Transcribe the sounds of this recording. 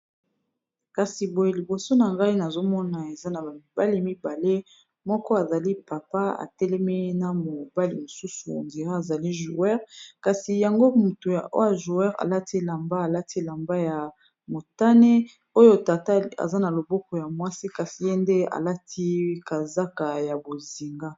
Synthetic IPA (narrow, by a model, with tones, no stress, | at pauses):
ka˨si˨bo˨je˨li˨bo˨so˦na˨ŋɡa˦i˦na˨zo˦mɔ˦na˨e˨za˦na˨ba˨mi˨ba˦li˦mi˦ba˨le˦ | mɔ˦kɔ˦a˨za˨li˦pa˨pa˦a̰˨tɛ˦lɛ˦me˦na˨mo˨ba˦li˨mo˨su˦sṵ˨nze˨ʁa˦a˨za˨li˦ʒu˨ɛ˦ʁka˨si˨ja˨ŋɡo˦mu˨to˨o̰˦wa˨ʒu˨ɛ˦ʁa̰˨la˦ti˦la˨mba˦a˨la˦tʰi˦la˨mba˦ja˨ | mo˨ta˦ne˦ | o˦jo˦ta˨ta˦a̰˨za˦na˨lo˨bɔ˦kɔ˨ja˨mwa˦si˦ka˨si˨je˦nde˦a̰˨la˦tʰi˦ka˨za˦ka˨ja˨bo˨zi˨ŋɡa˦